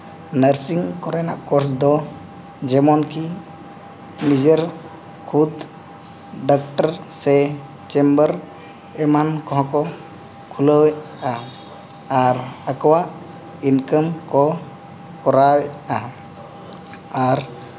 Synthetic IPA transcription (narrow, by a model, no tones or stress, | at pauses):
nəɾsiŋkɔɾɛna̰ʔkɔɾsd̪ɔ | d͡ʒɛmɔnkʰi | nid͡ʒeɾ | kʰud̪ | ɖɔk̚ʈaɾsɛ | t͡ʃɛmbəɾ | ɛmankɔɦɔ̃kɔ | kʰuləwʔ | aː | ɾakɔwaʔ | inkəmkɔ | kɔɾawɛa | aɾ